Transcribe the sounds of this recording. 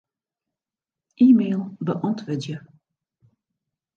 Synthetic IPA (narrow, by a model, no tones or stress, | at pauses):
ʔiːmeːlˠbəʔɔntʋɪdjə